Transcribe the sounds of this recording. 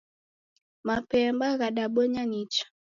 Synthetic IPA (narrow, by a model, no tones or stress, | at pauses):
mapɛmbaɣaɗaɓɔɲanit͡ʃḁ